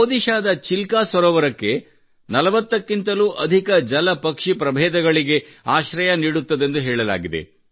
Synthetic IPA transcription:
oːd̪iʃaːd̪ɐt͡ʃilkaːsʋɐɾɔːʋɐɾɐkːe̞ | nɐlɐʋɐt̪ːɐkːint̪ɐluʔɐd̪ʱikɐd͡ʒɐlɐpɐkʂipɾɐbʱɛːd̪ɐɡɐɭiɡe̞aːʃɾɐjɐniːɽut̪ːɐd̪e̞nd̪uɦɛːɭɐla̰ːɡid̪e̞̰

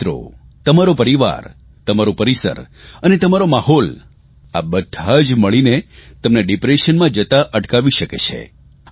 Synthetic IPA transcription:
ɾo̰ | t̪əmaɾopəɾiʋa̰ɾ | t̪əmaɾopəɾisə̰ɾənet̪əmaɾomaɦɔl | a̰bəd̪ʱad͡ʒməɭinet̪əmneɖipɾeʃənmãd͡ʒət̪aʔəʈkaʋiʃəket͡ʃʰḛ

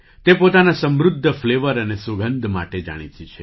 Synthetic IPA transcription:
t̪epot̪anasə̃mɾʊd̪ʱːəfleʋəɾənesuɡʱənd̪ʱma̰ʈed͡ʒa̰ɽ̃it͡ʃ̪it͡ʃʰe

